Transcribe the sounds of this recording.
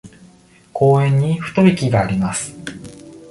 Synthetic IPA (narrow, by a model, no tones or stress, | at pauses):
kʰo̞ːẽ̞ɲ̟ːiɸɯ̟̥t̪o̞bʲikʲiɡaːɾʲimasɨ̥